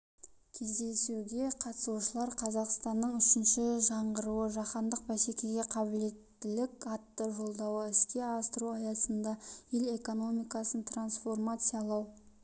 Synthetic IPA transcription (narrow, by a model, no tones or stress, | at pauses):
kʲʰe̞zd̪e̞suɡʲe̞qʰɑt̪ə̥suʃəlˠɑɾqʰɑzɑqst̪ɑnːəɴʏʃɪnʃɪʒɑɴʁəɾuəʒɑqɑnd̪əq̚bæse̞kʲeɡʲe̞qʰɑbɪle̞t̪ːɪlɪkʲɑt̪ːəʒo̞lˠd̪ɑwəɪskʲe̞ɑst̪əɾuɑjɑsənd̪ɑjele̞ko̞no̞mijkɑsənt̪ʰransfo̞rmat̪sɨjɑlˠɑw